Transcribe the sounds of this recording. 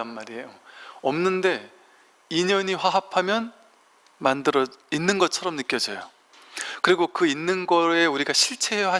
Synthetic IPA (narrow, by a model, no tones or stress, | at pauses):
anmaɾiejoʌmnɯnde̞ | iɲʌɲiɸwaɦapʰamjʌn | mandɯɾʌinːɯnɡʌt͡ɕʰʌɾʌmnɯk͈jʌd͡ʑʌjo | kɯɾiɡokɯinːɯnɡʌe̞uɾiɡaɕʰiɭt͡ɕʰe̞ɦejʌɦa